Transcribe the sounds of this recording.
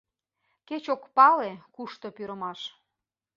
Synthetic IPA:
ket͡ɕokpɑlekuʃt̪opyɾəmɑʃ

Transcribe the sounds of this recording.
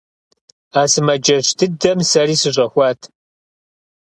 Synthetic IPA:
aːsɨmɐd͡ʒɐʃtʰɨdɐmsɐriːsɨʑʷʼɐxʷɑːtʰ

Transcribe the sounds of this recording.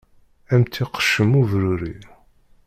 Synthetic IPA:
æmt̪ːiqːə̥ʃːəmuvɾuɾi

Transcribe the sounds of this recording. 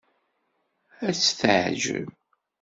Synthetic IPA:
æt͡sːθəʕʒə̰v

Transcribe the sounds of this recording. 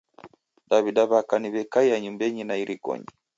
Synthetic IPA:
ɗaβiɗaβakaniβɛkaiaɲumbɛɲinaiɾʔikɔ̰ɲi

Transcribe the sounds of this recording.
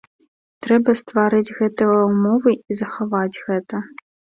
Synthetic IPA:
t̪ɾɛbɐst̪vaɾɨd͡zʲɣɛt̪ɨjɐwmɔvɨizɐxavad͡zʲɣɛt̪ɐ

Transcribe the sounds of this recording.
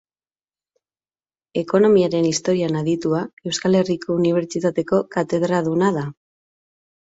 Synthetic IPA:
e̞ko̞no̞miaɾe̞nist̪o̞ɾianaðit̪uae̞wskale̞riko̞uniβ̞e̞ɾt͡ʃit̪at̪e̞ko̞kat̪e̞ð̞ɾaðunaða

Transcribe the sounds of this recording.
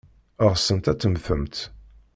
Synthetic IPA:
əʁsːənt̪æt͡s̪ːəmfəmt̪

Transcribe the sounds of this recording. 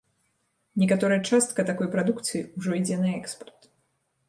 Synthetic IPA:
nʲɛkat̪ɔɾɐjɐt͡ʂast̪̚kɐt̪akɔjpɾad̪ukt̪sɨjiuʐɔid͡zʲɛnɐɛkspɐrt̪

